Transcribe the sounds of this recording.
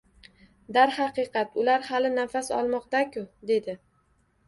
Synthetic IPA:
d̪aɾhɑqɨqʰɑt̪ʊlaɾhalɪnafasɒ̰lˠmɒqt̪akʲʰʊd̪e̞d̪ɪ

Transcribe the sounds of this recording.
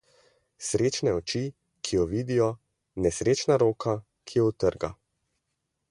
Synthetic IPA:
sɾeːt͡ʃnɛɔt͡ʃi | kʰijɔʋiːd̪ijɔ | nɛsɾeːt͡ʃnaɾoːka | kʰijɛut̪əɾɡa̰

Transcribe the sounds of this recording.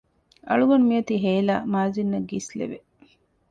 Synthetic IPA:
ɐ̰ɭuɡɐnumijɐt̪iɦeːla̰ːmaːzinːɐɡislḛʋe

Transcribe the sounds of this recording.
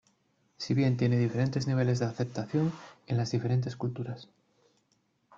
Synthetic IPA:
siβ̞je̞nt̪je̞ne̞ðife̞ɾe̞nt̪e̞zniβ̞e̞le̞zðeaθe̞p̚t̪aθjo̞ne̞nlazðife̞ɾe̞nt̪e̞skult̪uɾas

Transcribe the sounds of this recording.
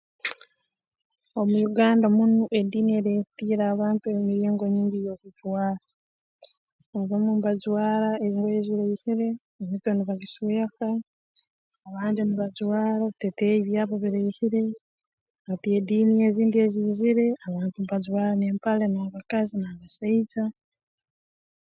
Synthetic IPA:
o̞mujuɡaːndamunuʔediːnieɾetiːɾaːβaːntumiɾeːŋɡo̞ɲiːɲɡijo̞kud͡ʒwaːɾa | azamumbad͡ʒwaːɾaeziŋɡeeziɾeihiɾe̞ː | mitwoniβaɡisuaka | βaːndiniβad͡ʒwaːɾaβiteteeiβjaːβoβiɾeihiɾe̞ | atiediːnijeːziːndie̞ziziɾe̞aβaːntumbad͡ʒwaːɾaneːmpalenaːβakazinaβasait͡sa

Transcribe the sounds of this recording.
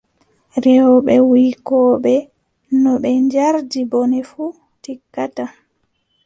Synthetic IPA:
ɾɛwɔɓɛwikɔːɓɛ | nɔɓɛɲd͡ʒaɾdibɔnɛfu | tikːata

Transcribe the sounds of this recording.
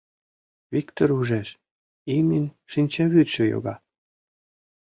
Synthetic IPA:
vikt̪oɾuʒeʃ | imin | ʃinʲt͡ɕeβyt̪ʃøjo̰ɣɑ

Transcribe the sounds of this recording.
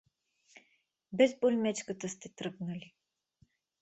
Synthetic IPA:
bɛzbolʲmɛt͡ʃkət̪əst̪ɛt̪ɾɤɡnəlʲi

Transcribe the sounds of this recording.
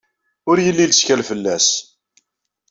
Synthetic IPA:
ʊɾjəlːilskælfəlːæs

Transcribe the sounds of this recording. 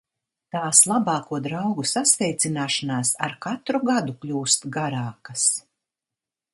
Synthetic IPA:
t̪aːslˠabɑːkuɔd̪ɾawɡusasvɛjt̪sinaːʃanaːsaɾkat̪ɾuɡad̪uklʲuːst̪ɡaɾaːkɐs

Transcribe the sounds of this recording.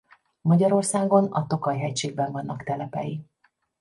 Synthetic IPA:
mɒɟɒɾo̞rsaːɡo̞nɒt̪okɒjɦɛcʃeːɡ̚bɛɱvɒnːɒkt̪ɛlɛpɛ̰ji

